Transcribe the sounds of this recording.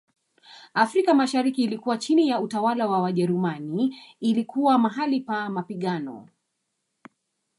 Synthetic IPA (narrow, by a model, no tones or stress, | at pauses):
afɾikamaʃaɾikiːlikuwat͡ʃinijautawalawawaʄɛɾumaniːlikuwamaɦalipamapiɠanɔ̰